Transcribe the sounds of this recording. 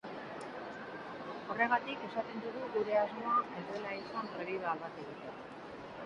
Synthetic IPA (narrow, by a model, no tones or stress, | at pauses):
o̞re̞ɣ̞at̪ike̞sat̪e̞nd̪uɣuɣuɾe̞azmo̞ae̞zd̪e̞laisampɾeβiðoalβat̪eɣit̪e